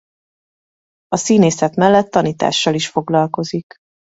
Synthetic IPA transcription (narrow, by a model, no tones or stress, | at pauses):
ɒsiːneːsɛt̪mɛlːɛt̪ːɒniːt̪a̰ːʃːɒliʃfo̞ɡlɒlko̞zik